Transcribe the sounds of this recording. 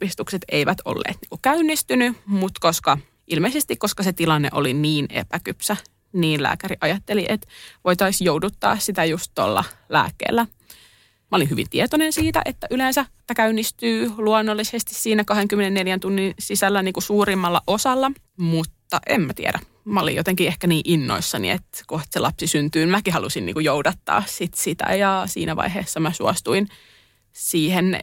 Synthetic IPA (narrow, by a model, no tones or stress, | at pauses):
ist̪ukset̪eiʋæt̪o̰lːḛːt̪nḭːŋkukæynːist̪ynymut̪koskɑ | ʔilmeisest̪ikkoskɑset̪ilɑnːḛʔo̰liniːnḛpækypsæ | niːnlæ̰ːkæɾiʔɑjɑt̪ːeliʔet̪ʋojt̪ɑisjowdut̪ːɑ̰ːssit̪æjust̪t̪o̰lːɑ̰læ̰ːkːḛːlːæ | mæolinyʋḭnt̪iet̪onensiːt̪æ̰ʔet̪ːæʔyleːnsæt̪ːækæynːist̪yːluɑnːolːisest̪issiːnækɑheŋkymːenenneljænt̪unːinsisælːæniːŋkusuːrimːɑlːɑʔosɑlːɑ | mut̪ːɑʔemmæt̪ḭḛɾæ | mæo̰lḭjot̪eŋkiehkæniːʔinːo̰isːɑnḭḛt̪kot̪selɑpsisynt̪yːnmækihɑlusinnḭːkujoudɑt̪ːɑ̰ːssit̪sit̪æ̰jɑsḭːnæʋɑ̰iɦeːsːɑmæsuɑst̪uin | siːhen